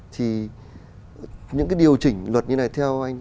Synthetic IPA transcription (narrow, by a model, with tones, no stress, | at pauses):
t̪ʰi˨˩ | ɲɨ̰˧˥kaː˨˦jɗi˨˩əwt͡ɕï˧˩ŋ̟lwə˨˩t̚ɲɨ˧na˨˩jt̪ʰɛ˧wʔa˧jŋ̟